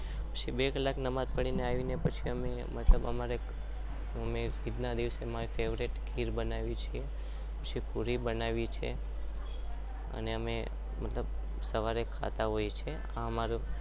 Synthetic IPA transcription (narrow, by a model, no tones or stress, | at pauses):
pə̥t͡ʃʰibekəlaknəmad̪̚pəɽ̃ineaʋinepət͡ʃʰiəme | mət̪ləbə̰maɾe | əmeɾid̪nad̪iʋsemaɾifeʋɾeʈkʰiɾbənaʋit͡ʃʰie | pət͡ʃʰipuɾibənaʋit͡ʃʰḛ | ə̰neəme | mət̪ləb | səʋaɾekʰa̰t̪aɦojt͡ʃʰe | aəmaɾu